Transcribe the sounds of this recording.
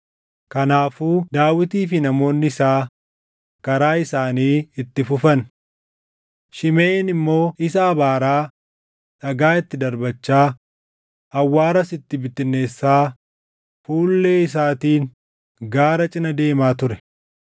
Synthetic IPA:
kɐnaːfuːd̪aːwɪt̪iːfɪnɐmo̞ːnːɪɪsaː | kɐɾaːɪsaːniːɪt̪ːɪfʊfɐn | ʃɪmeːnɪmːo̞ːɪs̬ɐːbaːɾaː | ᶑɐɡaːɪt̪ːɪd̪ɐɾbɐt͡ʃːaː | ʔɐwːaːɾɐsɪt̪ːɪbɪt̪ːɪnːe̞ːsːaː | fuːlːe̞ːɪs̬aːt̪iːn | ɡaːɾɐt͡ʃʼɪnɐd̪e̞ːmaːt̪ʊɾɛ̥

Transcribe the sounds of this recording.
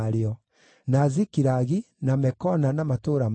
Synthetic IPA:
ɾeɔ | nazikiɾaɣi | namɛkɔnanamatoɾam

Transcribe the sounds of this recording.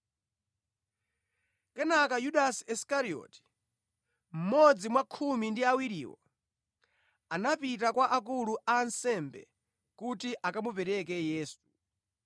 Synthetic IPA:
kɛnakajuɗasi̥ɛskaɾiɔ̰ti̥ | m̩mɔd͡zimwakʰumindiawiɾḭːwɔ̰ | anapitakwaʔak̬uluʔansɛmbɛ̰ | kutiʔakamupɛɾɛkɛjɛːsu̥

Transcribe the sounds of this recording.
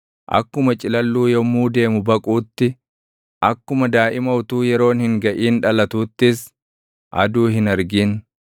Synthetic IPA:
ʔɐ̰kːʊmɐt͡ʃʼɪlɐlːuːjɔmːuːd̪e̞ːmʊbɐkʼuːt̪ːɪ | ʔɐkːʊmɐd̪aːʔɪmɐwʊt̪uːjɛɾo̞ːnhɪŋɡɐʔiːnᶑɐlɐt̪uːt̪ːɪs | ʔɐ̰d̪uːɦɪnɐɾɡiːn

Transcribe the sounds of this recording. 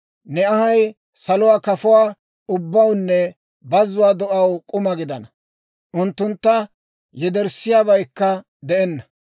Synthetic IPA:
nɛɐhɐj | sɐlɔwaːkɐfʊwaː | ʊbːɐwnːɛ | bɐzʊwaːd̪ɔʔɐwkʼʊmɐɡɪd̪ɐnɐ | ʔʊnt̪ːʊnt̪ːɐ | jɛd̪ɛɾsɪjaːbɐjkːɐ | d̪ɛʔɛnːɐ

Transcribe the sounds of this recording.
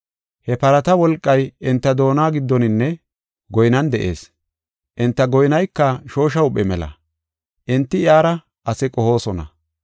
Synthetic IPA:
hɛpɐɾɐt̪ɐwɔlkʼːɐjɪnt̪ːɐd̪o̞ːnaːɡɪd̪ːɔnɪnːɛ | ɡɔjnɐnd̪ɛʔe̞̰ːs | ʔɪnt̪ːɐɡɔjnɐjkːɐʃo̞ːʃ̬ɐʊpʼːɛmɛlɐ̰ | ʔɪnt̪ːɪɪaːɾɐ | ʔɐsɛkʼɔho̞ːsɔnɐ̰

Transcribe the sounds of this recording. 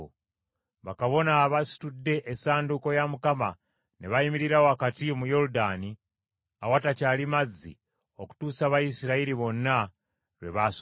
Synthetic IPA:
βakaβo̞naβasi̥tudːe̞ʔːsaːnduko̞jamukama̰ | neβaimiɾiɾawoakatiomujo̞ɾudani | awatacaːlimazːḭ | oku̥tuːsaβajisiɾaiɾiβo̞nːa | ɾweβas

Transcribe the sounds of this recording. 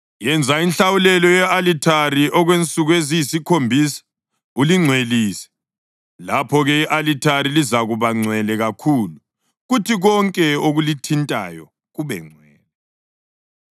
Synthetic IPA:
jɛnd͡zʱainɬawulɛlɔjɛalitʰariʔɔɣwent͡sʼuɣuezijisikʰombʱisḁ | uliŋ͡ǀʱweliːsɛ̥ | lapʰɔɣɛiʔalitʰaɾilizaɣuβaŋ͡ǀʱwɛlɛɣakʰuːlu | ɣutʰiɣɔŋkʼɛoɣulitʰintʼa̰jɔ̰ | ɣuβɛ̰ŋ͡ǀʱwɛːlɛ

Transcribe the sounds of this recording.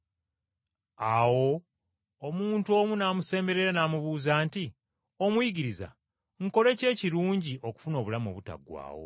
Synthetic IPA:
awo̞ː | muːnto̞ːmunaːmuse̞ːmbe̞ɾe̞ɾanaːmuβuːzaːnti | o̞mwiɟiɾiza̰ | ŋko̞le̞ce̞ːciɾuːɲɟiʔo̞ku̥funo̞ːβulamo̞̰ːβuta̰ɡwa̰ːwo̞̰

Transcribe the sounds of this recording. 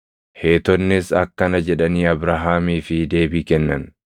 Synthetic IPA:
he̞ːt̪ɔnːɪsɐkːɐnɐd͡ʒɛᶑɐniːɐbɾaɦaːmiːfɪd̪e̞ːbiːkɛnːɐn

